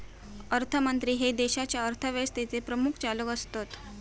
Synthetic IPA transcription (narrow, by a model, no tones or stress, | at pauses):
əɾt̪ʰəmənt̪ɾiːɦed̪eɕat͡ɕjaəɾt̪ʰəʋest̪et͡sepɾəmukʰt͡saləkəst̪ot̪